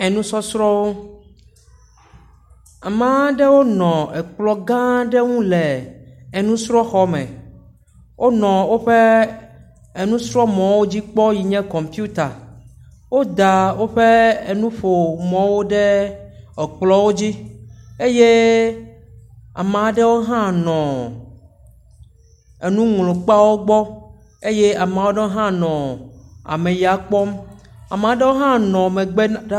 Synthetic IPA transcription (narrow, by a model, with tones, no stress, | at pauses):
ɛ˨nũ˦sɔ˦sɾɔ˦wo˦ | a˨mã˦ɖɛ˦wo˦nɔ̃˨ɛ˨k͡plɔ˨ɡã˦ɖe˦ŋũ˦lɛ˨e˨nũ˦sɾɔ˦xɔ˦mɛ̰̃˨ | wʔo˦nɔ̃˨wo˦ɸe˦ | e˨nũ˦sɾɔ˦mɔ̃˨wo˦d͡ʑi˦k͡pɔ˦ji˨ɲɛ̃˦kɔ̃˨m˨piu˦t̪a˨ | wo˦d̪a˨wo˦ɸe˦e˨nũ˦ɸo˨mɔ̃˨wo˦ɖe˦ɔ˨k͡plɔ˦wo˦d͡ʑi˦e˦je˦ | a̰˨mẽ˨a˨ɖe˦wo˦ɦã˦nɔ̃˨ | e˨nũ˦ŋlo˨k͡pa˦wo˦ɡ͡bɔ˦ | e˦je˦a˨me˨a˨˦wo˦ɖe˦wo˦ɦã˦nɔ̃˨a̰˨mẽ˨ja˨k͡pɔ˦ma̰˨m˨a˨ɖe˦wo˦ɦã˦nɔ̃˨mẽ˨ɡ͡be˦